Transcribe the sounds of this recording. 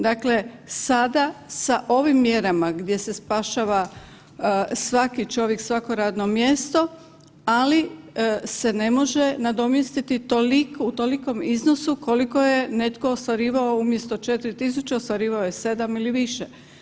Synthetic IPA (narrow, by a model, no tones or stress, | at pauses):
d̪akle̞sad̪asaʔo̞ʋimːje̞ɾamaɡd̪ʲje̞se̞spaʃaːʋa | sʋakit͡ʃo̞ʋjeksʋako̞ɾaːd̪no̞mje̞st̪o̞ | alise̞ne̞mo̞ʒenad̪o̞mjest̪it̪it̪olikut̪oliko̞mizno̞suko̞liko̞je̞ne̞t̪ko̞ost̪ʋaɾiːʋao̞umje̞st̪o̞t͡ʃe̞t̪iɾit̪is̬ut͡ʃeo̞st̪ʋaɾiːʋaojese̞d̪amiliʋiʃe